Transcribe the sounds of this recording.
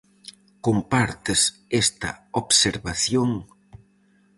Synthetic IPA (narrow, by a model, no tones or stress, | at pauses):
kompaɾt̪ɪs | est̪ɐ̰oβseɾβaθjoŋ